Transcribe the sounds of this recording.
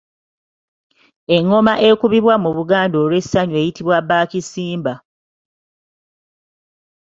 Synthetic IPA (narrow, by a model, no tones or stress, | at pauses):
e̞ŋːo̞maʔe̞kuβiβwamuβuɡaːndo̞ːlwe̞sːaɲwe̞ːjitiβwabaːcisiːmba